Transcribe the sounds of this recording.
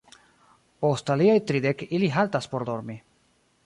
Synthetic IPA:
ost̪aliajt̪ɾid̪ekiliɦalt̪aspoɾd̪oɾmi

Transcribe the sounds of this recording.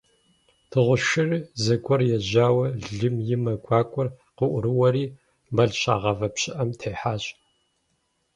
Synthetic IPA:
tʰɨʁʷʊʃɪrzɐɡʷʰʼɔrjɛʑaːwɐɮɨmjɪmɐɡʷɑːkʷʼɔr | qəʔʷʊɾɨwɐɾiː | mɐɮɕa̰ːʁɐvɐpɕɪʔɐmtʰeːħaːɕʼ

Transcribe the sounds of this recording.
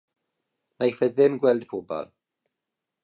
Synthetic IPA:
najfɛðɪmɡwɛlˠd̥pʰobɔ̰lˠ

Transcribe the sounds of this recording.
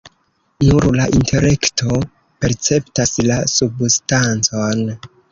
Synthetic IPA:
nuɾlaʔintʰe̞le̞ktʰo̞ | pe̞ɾt͡se̞ptaslasubstant͡so̞n

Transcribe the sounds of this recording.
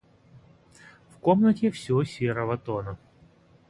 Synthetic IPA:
fkomnətʲɪfsʲosʲeɾəvət̪onə

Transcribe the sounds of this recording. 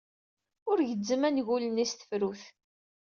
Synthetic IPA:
ʊɾʝəd͡zːəmænʝulənist̪ə̥fɾuθ

